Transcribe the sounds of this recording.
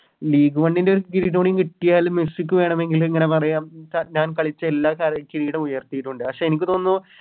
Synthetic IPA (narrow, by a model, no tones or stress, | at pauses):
liːɡuʋɐɳɖindeoɾukiɾiʈoːɳiŋkiʈːijaːlmjusikʲːɨʋe̞ːɳɐme̞ŋɡileŋːɐne̞pɐrɐjaːmt͡ɕaɲaːnkɐɭit͡ɕːɐelːaːkaːɾkiɾiːɽɐmujɐrt̪ijiʈːuɳɖɨɐkʂe̞ːenikʲːɨt̪o̞ːnːu